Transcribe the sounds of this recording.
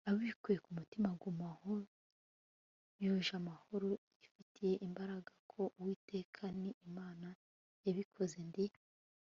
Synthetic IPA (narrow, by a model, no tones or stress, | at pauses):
aβwikujekumutimaɡumaho | joʒamahoɾojifitʰije̞ʔimbaɾaɡakʰo̞ʔwiːtʰe̞ːkʰaniːmaːna | jaβikʰo̞ze̞ndi